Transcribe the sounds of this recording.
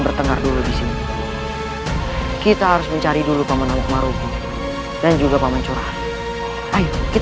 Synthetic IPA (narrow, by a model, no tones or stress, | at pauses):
nbərt̪əŋarduludisini | kit̪aɦaɾʊsməɲt͡ʃaɾidulupamanamak̚maɾut̪ʊ | dand͡ʒuɡapamant͡ʃuɾaan | ʔajkit̪